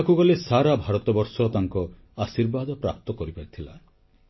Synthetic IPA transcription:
kuɡɔlesaɾabʱaɾɔt̪ɔbɔɾsɔt̪aŋkɔ | asiɾbad̪ɔpɾa̰p̚t̪ɔkɔɾipaɾit̪ʰila

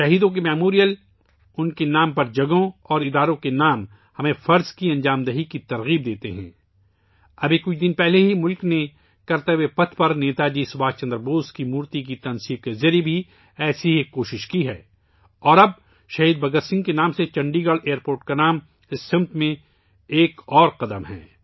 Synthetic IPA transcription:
ʃɐɦiːd̪õk̬emɛːmoːɾijəl | ʊnkenaːmpɐɾd͡ʒɐɡõɔːɾɪd̪aːɾõkenaːm | hɐmẽfɐɾzkiɐ̃nd͡ʒaːmd̪ɐɦikit̪ɐɾɣiːb̚d̪eːt̪eɦɛ̰̃ː | ɐbekʊt͡ʃʰd̪ɪnpɛɦleɦimʊlkne | kɐɾt̪əʋepɐt̪ʰpɐɾneːt̪ad͡ʒiːsʊbaːt͡ʃɐ̃nd̪ɾboːskimuːɾt̪ik̬it̪ɐ̃nsiːb̚kezɐɾebʱi | ɛːsiɦekoːʃɪʃkiɦɛː | ɔːɾɐb̚ | ʃɐɦiːd̪̚bɐɡəɾsɪ̃ŋɡkenaːmset͡ʃɐ̃ɳɖiɡəɽeːəɾpoːɾʈkanaːm | ɪsːɪ̃mt̪mẽ | eːkɔːɾqɐd̪əmɦɛ̰ː

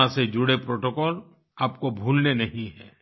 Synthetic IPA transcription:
ãsed͡ʒʊɽepɾoːʈokɔːl | aːpkobʱuːlnenɐɦĩɦɛ̰ː

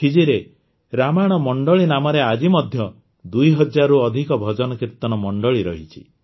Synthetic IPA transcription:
kʰid͡ʒiɾe | ɾamaɽ̃ɔmɔɳɖɔɭinamɔɾead͡ʒimɔd̪ʱjɔ | d̪ujɦɔd͡ʒaɾuɔd̪ʱikɔbʱɔd͡ʒɔnɔkiɾt̪ɔnɔmɔɳɖɔɭiɾɔɦit͡ʃʰi̥̰

